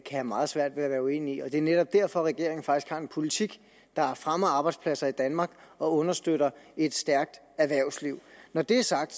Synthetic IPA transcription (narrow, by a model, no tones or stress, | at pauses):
kʰæhæmɑ̈ːð̩ˠsʋæɐ̰d̥ʋe̝æʋæːɐue̝̰ːniiɒ̽d̥e̝æɐneɾ̥ɒ̽b̥̚d̥æɐ̰fɒ̽ʁɛɡ̥e̝ɐe̝ŋn̩fɑ̈ɡ̥isɡ̥hɑ̈e̝npʰo̝lit͡sʰiɡ̥ | d̥ɑ̈fʁamɐɑ̈ːb̥ɑɪd̥spʰlæsɐid̥ænmɑ̈ːɡ̥ɒ̽ɔ̽nɐsd̥øɾ̥ɐe̝d̥sd̥æɐɡ̥̚d̥ | æɐʋæɐʊsliʊ̰nɒd̥e̝æɐsɑ̈ɡ̥̚d̥